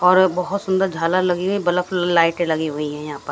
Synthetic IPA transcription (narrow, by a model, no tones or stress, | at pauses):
ɔːɾbɐɦʊt̪sʊ̃nd̪əɾd͡ʒʱaːlalɐɡiɦoibɐləflaːɪʈlɐɡiɦʊiɦɛ̃jɐɦãːpəɾ